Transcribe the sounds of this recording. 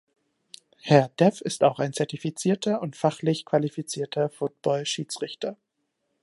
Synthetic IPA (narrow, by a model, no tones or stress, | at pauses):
hɛɐdɛfɪstaʊxaɪnt͡sɛɐtifit͡siːɐtʰɐʔʊntfaχlɪçkv̥alifit͡siːɐtʰɐfʊt̚b̥ɔlʃiːt͡sʁɪçtɐ